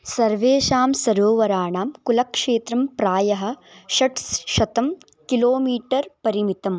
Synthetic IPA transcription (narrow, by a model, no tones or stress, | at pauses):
sɐɾʋeːʃaːmsɐɾoːʋɐɾaːɳaːmkulɐkʂeːt̪ɾɐmpɾaːjɐɦɐ̆ʃɐʈsʃɐt̪ɐm | kiloːmiːʈɐɾpɐɾimit̪ɐm